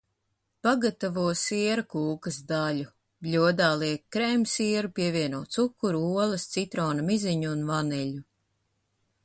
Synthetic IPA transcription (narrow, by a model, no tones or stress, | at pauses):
paɡat̪avuɔsiɛɾɐkuːkɐsd̪alʲu | blʲuɔd̪aːlˠiɛkːɾɛmsiɛɾupʲiɛvʲiɛnuɔːt̪sukːuɾuuɔlˠɐst̪sit̪ɾɔːnamiziɲuːnvanɛʎʲu